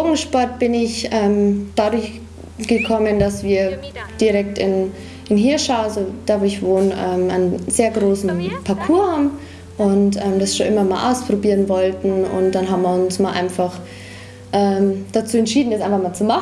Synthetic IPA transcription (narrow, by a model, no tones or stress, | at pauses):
oːɡŋ̩ʃpɔɐt̚b̥ɪnɪçʔɛːmd̥adʊɐç | ɡ̥əkʰɔməndasv̥iːɐd̥iʁɛktɪn | ɪnɦeːɐʃaʊazod̥adʊçv̥oːnɛːma̰nzeːɐɡʁoːsn̩pʰakʰuːɐm | ʔʊntʔɛːmdasʃoːnʔɪmɐmaːlʔa̰ʊspʁ̥obiːʁənvɔltn̩ʊ̰nt̚d̥anɦaːbm̩viɐʊnsmaːlʔa̰ɪnfaχ | ʔɛːmd̥at͡suːɛntʃiːdn̩jɛt͡sʔaɪnfaχmaːlt͡suma